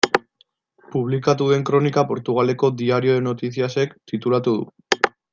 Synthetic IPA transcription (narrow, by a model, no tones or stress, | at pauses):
puβ̞likat̪uðe̞ŋkɾo̞nikapo̞ɾt̪uɣ̞ale̞ko̞d̪iaɾio̞ðeno̞t̪is̬iase̞kt̪it̪ulat̪uðṵ